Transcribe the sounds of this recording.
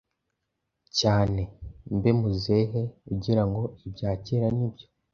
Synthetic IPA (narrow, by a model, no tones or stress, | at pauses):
caːne̞mbe̞muze̞ɦe̞kuɟiɾaŋɡo̞ibɟaːceɾanibjo̞